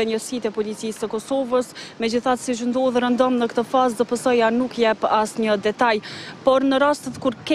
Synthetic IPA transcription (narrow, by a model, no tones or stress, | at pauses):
ɛɲəsit̪ɛpɔlit͡sisːəkɔsɔvəsmɛd͡ʑiθat̪siʃ̬ənd̪ɔðɾənd̪ɔmnəkt̪əfazd̪əpəsɔjanukjɛpasɲəd̪ɛt̪ajpɔɾnəɾast̪ət̪kuɾkɛ